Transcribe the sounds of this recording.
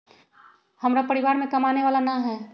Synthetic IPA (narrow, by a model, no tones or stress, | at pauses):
hɐmɾapɐɾiʋaːɾmẽkɐmaːneʋaːlanaɦɛː